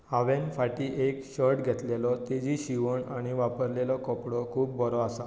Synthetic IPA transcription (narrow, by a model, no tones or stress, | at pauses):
aʋenfaʈiːʔekɕɔɾʈɡʱɛt̪lelɔt̪id͡ʑiɕiʋəɳaɽ̃iʋapəɾlelɔkɔpɽɔkʰuːpbɔɾɔasa